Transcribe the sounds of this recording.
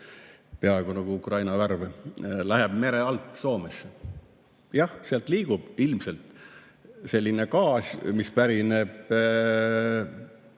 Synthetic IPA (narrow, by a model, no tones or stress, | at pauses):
peɑeɡ̥onɑɡ̥uukrɑjnɑværvlæɦeb̥me̞ɾeɑlt̪ːˑso̞ːmes | jɑhseɑlt̪liːɡ̥ub̥ilmselt̪ | se̞lʲːine̞kɑːsʲmispæɾineb̥